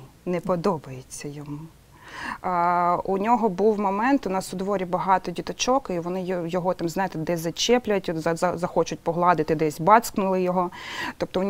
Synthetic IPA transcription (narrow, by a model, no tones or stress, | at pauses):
nɛpɔd̪ɔbɐjet͡sʲːɐjɔmu | unʲɔɦɔbuwmɔmɛnt̪ʊnɑsʊd̪ʋɔɾʲibɐɦɑt̪ɔdʲit̪ɐt͡ʃɔkiʋɔnɪjɔjɔɦɔt̪ɑmznɑjet̪ɪd̪ɛzɐt͡ʃɛplʲʊjt̪ʲzɐzɐzɐxɔt͡ʃʊtʲpɔɦlˠɑd̪ɪt̪ɪd̪ɛsʲbɑsknʊlˠɪjɔɦɔt̪ɔp̚t̪ɔʊnʲ